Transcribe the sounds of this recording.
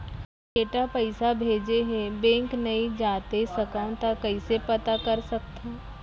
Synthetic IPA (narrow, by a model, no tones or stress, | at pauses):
keːʈapəɪsabʱeːd͡ʒeɦẽbẽːŋknɐid͡ʒaːt̪esɐkaʊ̃t̪akɐisepɐt̪akɐɾsɐk̚t̪e